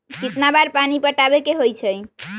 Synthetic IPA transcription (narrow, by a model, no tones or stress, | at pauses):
kit̪nabaɾpanipəʈabekeɦojt͡ʃʰəj